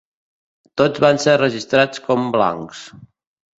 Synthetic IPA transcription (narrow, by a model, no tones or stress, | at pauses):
t̪od͡zβanserəʒist̪ɾat͡skɔmbla̰ŋks